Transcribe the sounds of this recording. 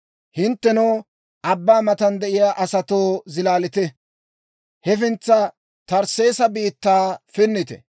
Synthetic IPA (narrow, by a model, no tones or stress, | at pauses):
hɪnt̪ːɛnoː | ʔɐbːaːmɐt̪ɐnd̪ɛʔɪjaːʔɐsɐt̪oːzɪlaːlɪt̪ɛ | hɛfɪnt͡sːɐ | t̪ɐɾse̞ːsɐbiːt̪ːaːfɪnːɪt̪ɛ̰